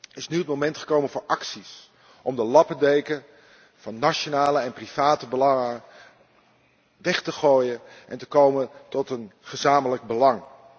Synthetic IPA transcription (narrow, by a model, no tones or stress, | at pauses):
ɪsnyət̚mowmɛntχə̥kowmənvʊːɹʔɑksis | ʔɔmdəlɑpədejkə | vɑnːaʃonaːləɛnpriv̥aːtəbəlɑŋə | ʋɛχtəχoːjənʔɛ̰ntəkowmətɔtənχəzaːmələɡ̚bəlɑŋ